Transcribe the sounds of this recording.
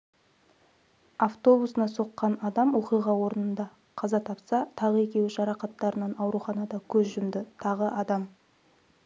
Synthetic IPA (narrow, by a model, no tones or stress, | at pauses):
aft̪o̞busənɑso̞qːɑnɑd̪ɑmwo̞qijʁɑwo̞ɾənənd̪ɑ | qʰɑzɑt̪ʰɑpsɑt̪ʰɑʁəe̞kʲe̞wɪʒɑɾɑqɑt̪ːɑɾənɑnɑwɾuχɑnɑd̪ɑkʲʰɵzʒʏmd̪ɪt̪ʰɑʁəʔɑd̪ɑm